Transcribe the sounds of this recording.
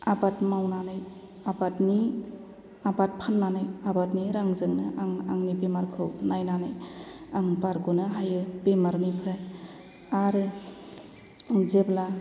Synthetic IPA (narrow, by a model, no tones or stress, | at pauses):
abatmawnanaj | abatni | abat̚pʰanːanɯjabatniɾaŋzɯŋnɯʔaŋaŋnibemaɾkʰɯwnajnanɯjaŋbaɾɡunɯɦajɯbemaɾnipʰɾaj | aɾe | zebla